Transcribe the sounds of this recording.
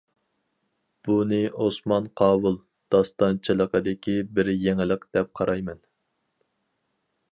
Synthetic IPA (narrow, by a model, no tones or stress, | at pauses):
b̥unɨʔosmɑnqʰɑːwulˠ | d̪̥ɑst̪ɑnt͡ʃʰelˠəqʰəd̪ɪkʲʰibɪɾjɛŋɪlˠəqd̪̥ɛp̚qʰɑɾɑjmɛn